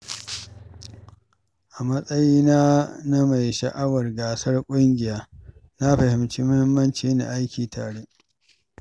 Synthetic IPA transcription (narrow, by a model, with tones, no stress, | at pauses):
ʔa˨mɐ˦sʼɐ˦jiː˦naː˦na˦ma˨jʃa̰˨ʔa˦wɐ˨rɡaː˨sɐ˦rkʷʼʊ˦ŋɡʲɪ˨jaː˦na˦ɸɐ˨hɪ˨mt͡ʃiː˦mʊ˦hɪ˦mːɐ˦nt͡ʃeː˦na̰˨ʔa˦jkʲiː˨tʰa̰ː˨ɽe˦ʔ